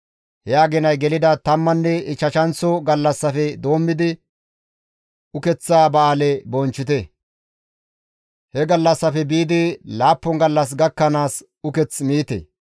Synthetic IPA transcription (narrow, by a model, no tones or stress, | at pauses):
hɛaːɡɛnɐjɡɛlɪd̪ɐt̪ɐmːɐnːɛɪt͡ʃːɐʃɐnt͡sɔɡɐlːɐsːɐfɛd̪o̞ːmːɪd̪ɪ | ʊkɛt͡sːaːbɐaːlɛbɔnt͡ʃːɪt̪ɛ | hɛɡɐlːɐsːɐfɛbiːd̪ɪlaːpːɔŋɡɐlːɐs̬ɡɐkːɐnaːs | ʊkɛt͡smiːt̪ɛ̰